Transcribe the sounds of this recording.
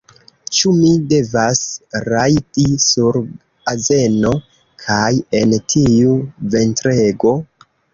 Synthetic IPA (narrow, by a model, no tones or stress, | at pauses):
t͡ʃumide̞vasɾajtisuɾ | aze̞no̞ | kʰaje̞ntʰiuve̞ntɾe̞ɡo̞